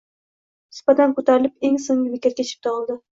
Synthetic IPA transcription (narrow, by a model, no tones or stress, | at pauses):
nɪ̥sbat̪ankʰot̪ʰaɾɪlɪp̚e̞ŋsoŋɡʲɪbekʲat̪kʲʰet͡ʃʰɪ̥p̚t̪ʰɒlˠd̪ɪ